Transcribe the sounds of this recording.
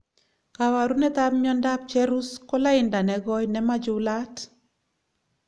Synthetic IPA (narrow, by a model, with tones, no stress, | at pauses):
ka˨wa˨ɾu˦nɛ˦t̪a˦p̚mjɔ˦nda˦p̚t͡ʃɛ˦ɾu˦skɔ˦la˦ɪnda˨nɛɡɔ˦jnɛ˦ma˦d͡ʒʊla˦t